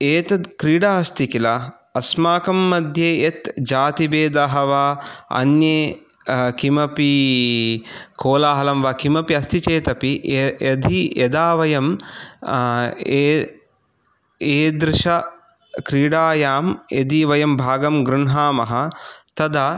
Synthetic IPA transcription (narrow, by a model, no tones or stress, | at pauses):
eːt̪ɐkɾiːɽaːɐst̪ikilɐ | ɐsmaːkɐmːɐd̪ʱjeːet̪d͡ʒaːt̪ibeːd̪aɦɐʋaːɐ̰nje | kimɐpi | koːlaːɦɐlɐmʋaːkimɐpiɐst̪it͡ʃeːt̪ɐpiɐd̪ʱijɐd̪aːʋɐjɐm | e | eːd̪ɾɪʃɐ | kɾiːɽaːjaːmḛd̪iʋɐjɐmbʱaːɡɐmɡɾunɦaːmɐɦɐt̪ɐd̪ɐ